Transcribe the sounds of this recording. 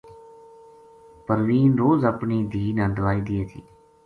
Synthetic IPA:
pəɾʋiːnɾoːzəpɳiːd̪ʱiːnãːd̪əʋaːiːd̪ieːt̪ʰḭː

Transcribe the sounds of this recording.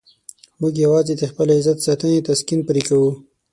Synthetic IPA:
muɡjawɑzed̪əxpəlaɪzat̪sɑt̪ənet̪askinpəɾikawu

